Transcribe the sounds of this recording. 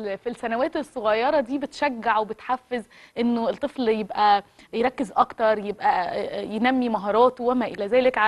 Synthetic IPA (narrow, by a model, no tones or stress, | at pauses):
filsænæwæːt̪esˤːoɣɑjːɑɾˤɑd̪iːbet̪ʃæɡːaʕwebet̪ħafːez | ʔenːoelt̪ˤːefljebʔæ | jeɾˤɑkːezʔɑkt̪ɑɾˤjebʔæjenæmːimæɦɑːɾˤɑːt̪owæmæʔelæzæːlekʕa